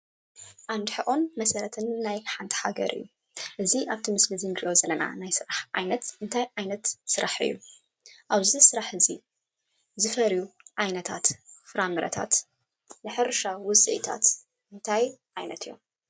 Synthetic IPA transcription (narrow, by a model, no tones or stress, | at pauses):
ʔand̪ħɨʔʼonmɐsɐɾɐt̪ʰɨnːajħant̪ʰɐ̥ħaɡɐ̰ɾʔɨ̰jːu | ʔɨziʔaβt̪ʰimɨslizɨŋɡiʔo̞zɐlɐna̰najsɨɾaħʕa̰jnɐt̪ɨnt̪ʰajʕajnɐt̪sɨɾʔaħɨ̰jːṵ | ʔaβzisɨɾaħɨzi | zɨfɐɾjuʕajnɐt̪ʰat̪fɨɾambɾɐ̰t̪ʰa̰t̪ | lɨħɨɾʃawʊsʼɨʔḭt̪ʰa̰t̪ | ʔɨnt̪ʰajʕajnɐ̰t̪ʰɨjːo̰m